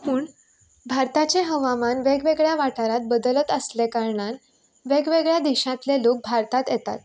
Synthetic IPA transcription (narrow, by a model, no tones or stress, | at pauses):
puːɳ | bʱaɾt̪at͡ɕeɦəʋamanʋeɡʋeɡɭjaʋaʈaɾat̪̚bəd̪ələt̪əslekaɾɳan | ʋeɡʋeɡɭjad̪iɕãt̪lelok̚bʱaɾt̪at̪jɛt̪a̰t̪̚